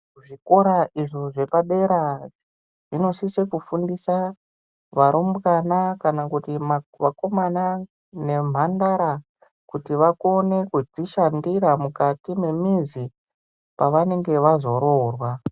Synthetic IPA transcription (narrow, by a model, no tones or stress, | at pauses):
uʐiko̞ɾaʔiʐoʐe̞paɗe̞ɾa | ʐino̞sisekufundisa | ʋaɾombkanakanakutimaʋako̞mana | ne̞m̤andaɾa | kutiʋakone̞kud͡ziʃandiramukatime̞mizi | paʋane̞ŋɡe̞ʋazo̞ɾo̞rwa